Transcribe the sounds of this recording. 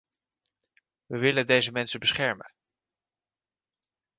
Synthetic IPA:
ʋəʋɪləndejzəmɛnsəbəsχɛɹmə̰n

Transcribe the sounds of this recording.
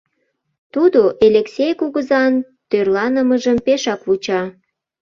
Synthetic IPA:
t̪ud̪oʔelʲeksʲejkuɣəzɑn | t̪ørlɑnəməʒəmpeʃɑkvut͡ɕɑ

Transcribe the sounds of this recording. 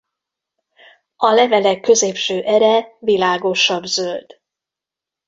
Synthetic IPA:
ɒlɛvɛlɛkːø̞zeːpʃøːʔɛɾɛvilaːɡo̞ʃɒbzøld̪̥

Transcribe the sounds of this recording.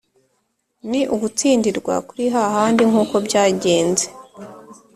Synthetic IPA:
niʔuɡut͡siːndiɾɡwa̰kuɾiɦahaːndiŋuːko̞bɟaːɟe̞ːnze

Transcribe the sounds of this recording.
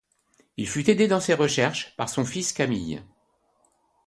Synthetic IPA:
ilfyt̪ed̪ed̪ɑ̃seʁəʃɛʁʃpa̰ʁsɔ̃fiskʲamḭj

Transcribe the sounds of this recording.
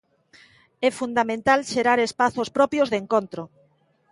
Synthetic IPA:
ɛfund̪amẽnt̪alʃeɾaɾespaθospɾɔpjozðeŋkõnt̪ɾo

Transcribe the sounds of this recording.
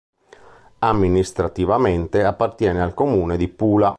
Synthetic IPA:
amːinist̪ɾat̪ivament̪eapːart̪jɛːnealkomuːned̪ipuːla

